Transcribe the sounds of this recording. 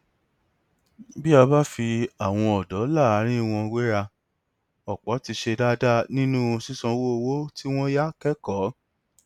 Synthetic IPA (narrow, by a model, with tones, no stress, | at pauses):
bi˦a˧ba˦fi˧a˨w̃ɔ̃˧ɔ˨dɔ˨˦la˦˨a˨˦ɾ̃ĩ˦˧w̃ɔ̃˧we˦ɾa˧ | ɔ˨k͡pɔ˨˦ti˧ʃe˧da˦da˦˨nĩ˦nũ˦õ˧si˦sɔ̃˧wo˦o˧wo˦ti˦w̃ɔ̃˦ja˦kɛ˦kɔ˨˦